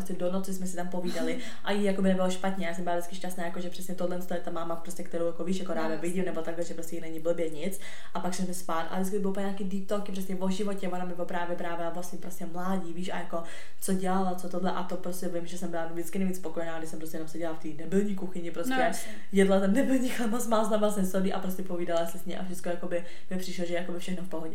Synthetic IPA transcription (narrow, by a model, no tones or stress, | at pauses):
ɾoscʲɛdonot͡sɪsmɛsɪt̪ampo̞viːdalɪ | ʔajijakobɪnɛbɪloʃpat̪ɲɛjaːs̬ɛmbɪladɪt͡skɪʃcast̪naːjakoʒɛpr̥ɛsɲɛt̪odlɛnst̪ojɛt̪amaːmapɾoscɛkt̪ɛɾowjakoviːʃjakoɾaːdavɪɟɪmnɛbot̪aɡlɛʒɛpɾoscɛjinɛɲɪbl̩bjɛɲɪt͡s | ʔapaksɛsmɛspaːt̪ʔa̰lɛdɪt͡sskɛbɪbɪlopːɲaːkiːdip̚t̪okpr̥ɛsɲɛvoʒɪvo̞cɛvonamɪbɪlopɾaːvjɛpɾaːvjɛvosɲipɾoscɛmlaːɟiːviːʃʔa̰jako̞ | t͡soɟɛlalat͡sot̪odlɛʔa̰t̪opɾoscʲɛvɪmʒɛsɛmbɪlanovʒdɪt͡skɪnɛviːt͡sspo̞kojɛnaːɡdɪʃsɛmpɾoscʲɛjɛnomsɛɟɛlalft̪iːnɛbɪlɲiːkuxɪɲɪpɾosɛ | jɛdlat̪ɛnnːɛbɪlɲixɛmot͡smaːznabɪlasɛmsodiːʔapɾos̬cɛpoviːdalajsɪsɲɪ̰ʔa̰fʃɛt͡skojako̞bɪ | mɪpr̝̥ɪʃloʒɛjakobɪfʃɛxnofpoɦoɟɛ